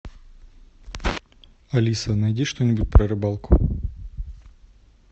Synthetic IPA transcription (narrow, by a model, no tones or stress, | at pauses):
ɐlʲisɐnɐjdʲiʂt̪onʲɪbut̚ʲpɾɐɾɨbalˠkʊ̰